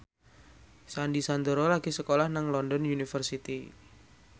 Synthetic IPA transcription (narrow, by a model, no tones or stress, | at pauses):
sandisand̪əɾɔlaɡ̥isəkolahnaŋlɔndɔnunifərsit̪i